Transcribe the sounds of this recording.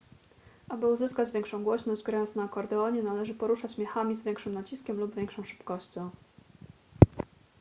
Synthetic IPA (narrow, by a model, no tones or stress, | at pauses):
ʔabɘuzɘskad͡ʑvʲjɛŋkʂɔ̃w̃ɡwɔɕnɔʑd͡ʑɡɾajɔnt̪snaːkɔɾd̪ɛɔɲɛnalɛʐɘpɔɾuʂat͡ɕɕmʲɛxamʲizvʲɛŋkʂɘmnat͡ɕiskʲɛmlubvʲɛŋkʂɔ̃w̃ʂɘ̥pkɔɕt͡ɕɔ̃w̃